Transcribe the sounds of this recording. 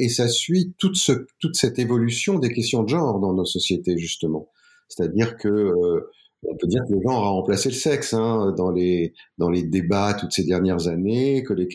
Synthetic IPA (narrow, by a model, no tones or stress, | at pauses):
esasɥit̪ut̪sət̪ut̪sɛt̪evɔlysjɔ̃d̪ekʲɛst̪jɔ̃d̪əʒɑ̃ʁd̪ɑ̃nosɔsjet̪eʒyst̪əmɑ̃ | se̥t̪ad̪iʁkʰəø | ɔ̰̃pød̪iʁkələʒɑ̃ʁaɑ̃plaseləsɛksɛ̃ød̪ɑ̃led̪ɑ̃led̪ebat̪ut̪sed̪ɛʁnjɛʁzanekəlek